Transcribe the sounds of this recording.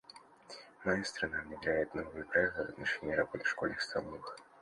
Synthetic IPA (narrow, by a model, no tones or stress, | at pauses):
najast̪ɾɐnavnʲɪvʲlʲæjɪt̪novɨjəpɾɐɛk̚t̪ɨvɐt̪nɐʂɛnʲɪiəɾɐbɔt̪ɨ̥fʂkɔlʲnɨxst̪ɐmɔvˠɨx